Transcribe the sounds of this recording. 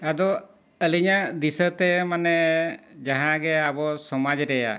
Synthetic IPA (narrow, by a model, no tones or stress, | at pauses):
ad̪ɔ | əliɲad̪isət̪ɛmanɛd͡ʒaɦãɡɛabɔsɔmad͡ʒɾɛja̰